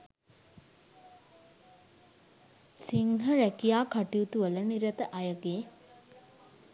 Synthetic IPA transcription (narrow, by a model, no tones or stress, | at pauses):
siŋɦəɾækijaːkaʈiut̪uʋələniɾət̪əʔajəɡeː